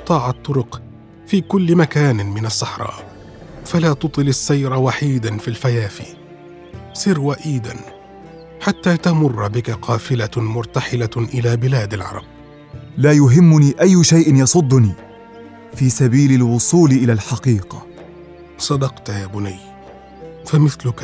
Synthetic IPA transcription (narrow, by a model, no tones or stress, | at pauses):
t̪ˤɑːʕɑt̪ˤːʊɾʊq | fiːkʊlːɪmakaːnmɪnasˤːɑħɾˤɑ̰ːʔ | falaːt̪ʊt̪ˤɨlasːajɾawaħiːd̪anfiːlfajaːfḭ | sɪɾwaʔiːd̪a̰n | ħat̪ːaːt̪amʊrˤːbɪkaqʰɑːfɪlamʊɾˤt̪aħɪlaʔɪlaːbɪlaːd̪alʕɑ̰ɾˤɑ̰b̚ | laːjʊɦɪmːʊniːʔajːʊʃajʔɪnjɑsˤʊd̪ˤːʊniː | fiːsabiːlɪlwʊsˤuːlɪʔɪlaːlħɑqiːqɑ | sˤɑd̪ɑqt̪jaːbʊnaj | famɪθlʊk